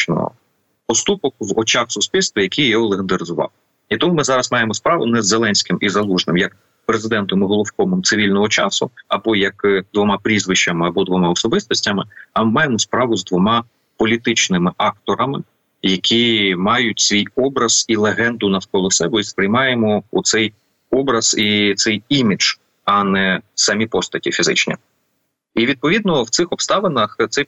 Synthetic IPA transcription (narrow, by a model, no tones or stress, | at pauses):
nɔ̰ɦɔ̰ | pɔst̪upɔkwɔt͡ʃɑxsʊsʲpʲilʲst̪ʋɐjɐkʲijɔɦɔlˠeɦɪnd̪ɐɾɪzʊʋɑ̰l | it̪ɔmumɪzɑɾɐsmɑjemɔspɾɑʋʊ̰nɛzːelˠɛnʲsʲkɪmizɐlˠuʒnɪmjɐk | pɾezɪd̪ɛnt̪ɔmɪɦɔlˠʊwkɔmɔmt̪sɪʋʲilʲnɔɦɔt͡ʃɑsʊɐbɔjɐkd̪ʋɔmɑpɾʲizʋɪʃt͡ʃɐmɪɐbɔd̪ʋɔmɑɔsɔbɪst̪ɔsʲtʲɐmɪɐmmɑjemɔspɾɑʋʊzd̪ʋɔmɑ | pɔlʲit̪ɪt͡ʃnɪmɪʔɑkt̪ɔɾɐmɪ | jɐkʲʰimɑjʊtʲsʲʋʲijɔbɾɐz̥ilˠeɦɛnd̪ʊnɐfkɔlˠɔsɛbɔispɾɪjmɑjemɔut̪sɛj | ɔbɾɐz̥it̪sɛjimʲiʒ̥ | ɐnɛsɐmʲipɔst̪ɐtʲifʲizɪ̰t͡ʃnʲḭ | iʋʲid̪̚pɔʋʲid̪̚nɔwt̪sɪxɔpst̪ɑʋenɐxt̪sɛ